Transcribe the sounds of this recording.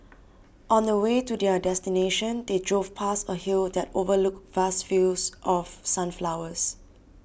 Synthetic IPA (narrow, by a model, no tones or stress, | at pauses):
ʔɔ̃ndəwetudɛdɛstineʃə̃ndedɹofpʰasəhildɛtovəluk̚vastfilsʔɔfsãnflawəs